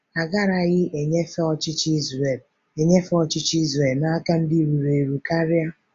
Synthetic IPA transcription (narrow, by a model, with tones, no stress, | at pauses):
a˨ɡa˦ɾa˨ɣɪ˦ʔe˨ɲe˦fɔ˦t͡ʃɪ˦t͡ʃi˦ze˨l | e˨ɲe˦fɔ˨t͡ʃɪ˦t͡ʃi˦zɾe˨lna˦a˦ka˦n̩˦di˦ɾu˨ɾe˨ɾu˨ka˦ɾja˦